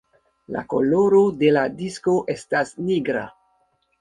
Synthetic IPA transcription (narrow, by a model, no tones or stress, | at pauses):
la̰ko̰lo̞ɾo̞de̞ladisko̞ʔe̞stasniɡɾa̰